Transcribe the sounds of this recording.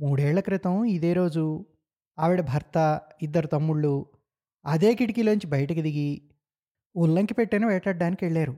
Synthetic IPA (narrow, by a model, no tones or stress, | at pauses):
muːɽɛːɭːɐkɾit̪ɐmid̪e̞ːɾo̞ːd͡ʒu | aːʋiɽɐbʱɐɾt̪ɐid̪ːɐɾut̪ɐmːuɭːu | ɐd̪e̞ːkiʈikilonɲt͡ʃibɐjɐʈɐkid̪iɡi | ulːɐŋkipeʈːenɐʋɛːʈɐɖːaːnikiʋeɭːaːɾu